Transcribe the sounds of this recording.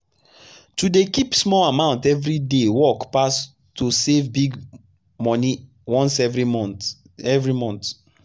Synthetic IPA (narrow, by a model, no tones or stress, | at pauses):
tudekipsmɔlamãʊ̃ntɛvɹidewɔkpas | tusevbiɡ | mɔni | wɔ̃nsɛvɹi | ɛvɹimɔ̃nt